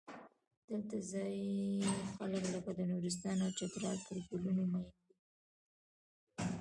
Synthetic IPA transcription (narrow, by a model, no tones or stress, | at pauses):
d̪̥əlt̪azɑj | xaləkləkad̪ənuɾɪs̬t̪ɑnawt͡ʃat̪ɾɑlpəɾɡulunomɑjənd̪i